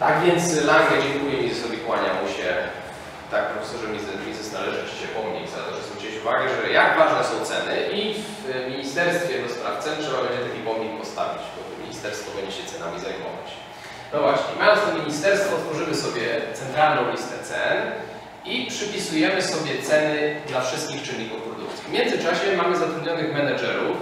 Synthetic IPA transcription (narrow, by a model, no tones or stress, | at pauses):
t̪aɡvʲjɛnt̪slaɡlɛd͡ʑɛŋkujɛmʲizɛsɔvʲikwaɲamuɕɛ | t̪ak̚pɾɔfɛsɔʐɛmʲizɛmʲizɛsnalɛʐɨɔ̥t͡ɕɛpɔmɲḛzat̪ɔʐɛsɔt͡ɕet͡ɕuva̰ɡɛʐɛjaɡvaʐnɛsɔ̃w̃t̪sɛnɘʔiv | mʲiɲist̪ɛɾst̪fʲjɛd̪ɔspɾa̰ft̪sɛntʂɛbabɛɲd͡ʑɛt̪akʲipɔmɲʲikpɔst̪a̰vʲid͡ʑbɔmʲḭɲist̪ɛɾst̪fɔbɛɲd͡ʑɛɕɛt̪sɛnamʲizajmɔ̰va̰t͡ɕ | nɔvwaɕɲɛ̰majɔnst̪umʲiɲist̪ɛɾst̪fɔːt̪fɔʐɘmɘsɔbʲjɛt̪sɛnt̪ɾalnɔ̃w̃lʲist̪ɛt̪sɛ̰n | ipʂɘpʲisujɛmɘsɔbʲjɛt̪sɛnɘd̪lafʂɘst̪̚kʲixt͡ʂɘnʲːikufpɾɔd̪uk̚t̪sʲivmʲjɛnd̪zɘt͡ʂaɕɛmamɘzat̪ɾud̪ɲɔnɘɣmɛnad͡ʐɛɾu